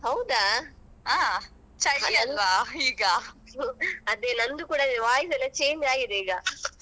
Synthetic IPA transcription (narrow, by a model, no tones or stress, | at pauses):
ɦɐwd̪a | aː | t͡ʃɐɐɐlʋaiːɡɐ | ɐd̪eːnɐnd̪ukuːɽɐʋaːjisɛlːɐt͡ʃeːɲd͡ʒaːɡid̪eiːɡɐ